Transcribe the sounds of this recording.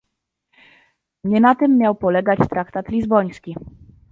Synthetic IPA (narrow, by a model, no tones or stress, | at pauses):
ɲɛnat̪ɘmːjawpɔlɛɡat͡ɕt̪ɾakt̪at̪lʲizbɔj̃skʲi